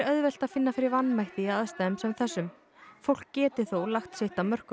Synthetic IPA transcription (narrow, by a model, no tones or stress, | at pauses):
ɾœðvɛl̥t̪aðfɪnːafɪɾɪɾvanːmajht̪ɪaaðst̪aɛmsɛmθɛsːʏm | fowl̥kcːɛːt̪ɪθowlaxt̪sɪht̪amœr̥kʏ